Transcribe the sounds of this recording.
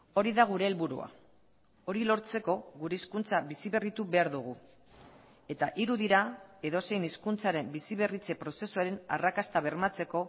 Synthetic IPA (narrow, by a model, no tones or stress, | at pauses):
o̞ɾiðaɣ̞uɾe̞ːlβuɾṵa̰ | o̞ɾilo̞ɾt͡se̞ko̞ɣuɾe̞iskunt͡saβisiβe̞rit̪uβe̞aɾðuɣ̞u | e̞t̪aʔiɾuðiɾae̞ðo̞se̞jniskunt͡saɾe̞mbisiβ̞e̞rit͡se̞pɾo̞se̞suaɾe̞na̰rakast̪aβ̞e̞ɾmat͡se̞ko̞